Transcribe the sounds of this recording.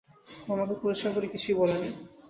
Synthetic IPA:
ɔmakepuɾeʃkʰakoɾikit͡ɕʰujbɔlani

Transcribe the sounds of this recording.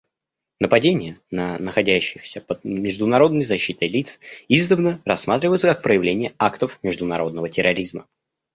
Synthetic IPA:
nəpɐdʲenʲɪjənənəxɐdʲæɕːɪxsʲəpəd̪mʲɪʐd̪ʊnɐɾo̞d̪nəjzɐɕːit̪əjlʲit̪sizd̪əvnərɐsːmat̪ɾʲɪvəjʊt̪səkak̚pɾəjɪvlʲenʲɪjəakt̪əfmʲɪʐd̪ʊnɐɾo̞d̪nəvətʲɪɾɐɾʲizmə

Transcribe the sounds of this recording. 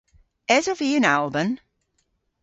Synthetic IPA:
ɛzɔviːə̃nalˠbə̃m

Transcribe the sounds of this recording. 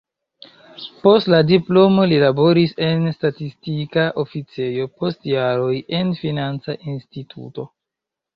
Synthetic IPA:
po̞stladiplo̞mo̞lilabo̞ɾise̞nstatistikaʔo̞fit͡se̞jo̞po̞stjaɾo̞je̞nfinant͡saʔinstitʰṵto̞

